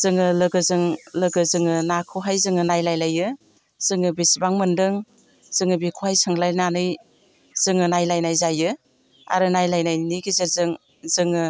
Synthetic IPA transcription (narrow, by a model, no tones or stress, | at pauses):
z̥ɯŋɯlɯɡɯzɯŋlɯɡɯzɯŋɯnakʰɯɦajzɯŋɯnajlajlajɯ | z̥ɯŋɯbesibaŋmɯndɯŋ | z̥ɯŋɯbikʰohajsɯŋlajnanɯj | z̥ɯŋɯnajlajnajzajɯ | a̰ɾɯnajlajnajniɡizeɾzɯŋ | zɯŋɯ